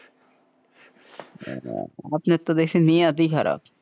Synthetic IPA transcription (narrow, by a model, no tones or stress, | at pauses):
aːpnet̪ːod̪eːksenĩad̪ikʰɐɾʔa̰ːb